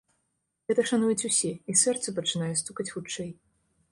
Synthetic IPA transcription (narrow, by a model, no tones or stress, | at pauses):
ɣɛt̪ɐʂanujɛt͡sʲusʲɛisɛrt̪sɐpɐt͡ʂɨnajɛst̪ukɐt͡sʲxut͡ʂɛj